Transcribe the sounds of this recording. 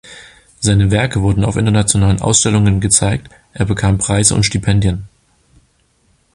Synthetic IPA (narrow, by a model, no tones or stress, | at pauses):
z̥aɪnəvɛɐkəvʊɐdn̩a̰ʊfʔɪ̰ntɐnat͡sjonaːlənʔa̰ʊsʃtɛlʊŋənɡət͡saɪk̚t | ʔeːɐbəkʰaːmpʁ̥aɪzə̰ʊ̰ntʃtipʰɛndjən